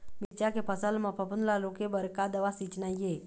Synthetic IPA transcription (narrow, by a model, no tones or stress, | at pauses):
mit͡ɕakepəsəlməpəpunlalokebəɾkad̪əʋasit͡ɕnaje